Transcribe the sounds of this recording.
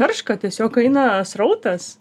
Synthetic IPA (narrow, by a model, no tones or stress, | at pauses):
ɐrʃkɐt̪ʲiɛsʲoːkɐɪnɐsrɐʊt̪ɐs